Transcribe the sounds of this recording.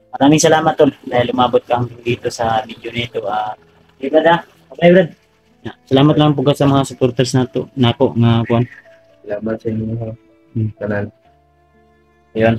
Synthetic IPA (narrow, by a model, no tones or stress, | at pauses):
mɐɾaːmɪŋsɐlaːmat̪ːold̪aːhɪlʊmaːbʊt̪̚kad̪iːt̪osɐmid͡ʒonet̪oʔa | abɾad̪a | ablajbɾad̪̚ | nasɐlaːmat̪laŋp̬ʊɡasɐmɐŋasʊpoɾt̪ɛɾsnat̪onaːkoʔŋakʊʔan | sɐlaːmat̪̚sɐɲɦa | kanan | jon